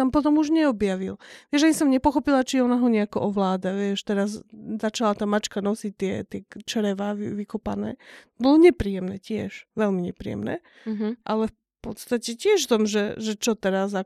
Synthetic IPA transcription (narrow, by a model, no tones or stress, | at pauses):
t̪ampɔt̪ɔmuʒɲɛɔbjaʋilʋɪɛʒanisɔmɲɛpɔxɔpilat͡ʃiɔnaɦɔɲɛakɔʔɔʋlaːd̪aʋɪɛʃt̪ɛɾazzat͡ʃalat̪aːmat͡ʃkanɔsic̚t̪ːɪɛt̪ɪɛt͡ʃɛɾɛʋaːʋiʋikɔpa̰nɛ̰ː | bɔlɔɲɛpɾiːjɛmnɛːcɪɛʃʋɛlmiɲɛ̰pɾḭjɛ̰mnɛ̰ː | ʔalɛf | pɔt̪st̪acɛcɪɛʃft̪ɔmʒɛʒɛt͡ʃɔt̪ɛɾaza